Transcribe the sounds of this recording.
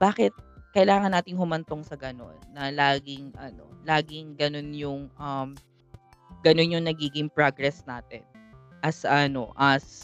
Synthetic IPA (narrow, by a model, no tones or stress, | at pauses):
b̥aːkɛt̪̚kɐʔɪlaːŋɐnːaːt̪ɪŋɦʊmɐnt̪oŋsɐɡɐno̞̰nːɐlaːɡɪŋʔɐno̞̰laːɡɪŋɡɐno̞njʊŋʔɐm | ɡ̥ɐno̞njʊŋnɐɡiːɡɪŋpɹaɡɾɛsna̰ːt̪ɪ̰nʔɐsɐno̞̰ʔɐs